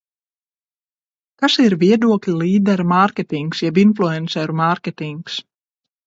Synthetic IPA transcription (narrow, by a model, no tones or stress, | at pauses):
kasiɾvʲiɛd̪uɔklʲiliːd̪ɛɾmaɾkʲet̪iŋksjɛbinflˠuɛnsɛɾumaɾkʲɛt̪iŋks